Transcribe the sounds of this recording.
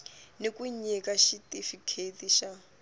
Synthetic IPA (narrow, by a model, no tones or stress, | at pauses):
nekʼuɲikaʃitʼifikʰetiʃa